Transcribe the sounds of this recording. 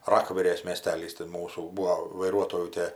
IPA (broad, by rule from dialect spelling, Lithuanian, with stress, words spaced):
ˈrɑːkʋʲɛrʲeːs mʲiɛˈsʲtʲæːlʲiːs tʲɪ ˈmuːsuː ˈbuːoː ʋɐɪˈruɔtoːjuː ˈtʲiɛ